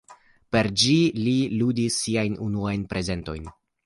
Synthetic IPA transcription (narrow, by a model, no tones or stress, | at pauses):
pe̞ɾd͡ʒililudisːiajnunuajnpɾʔe̞ze̞nto̞̰jn